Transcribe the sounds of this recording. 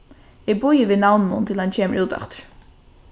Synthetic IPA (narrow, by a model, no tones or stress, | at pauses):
ɪbʊjəʋɪnawnnʊnt̪ʰɪlhancʰeːmə̰ɹuːt̪a̰ft̪ə̥ɹ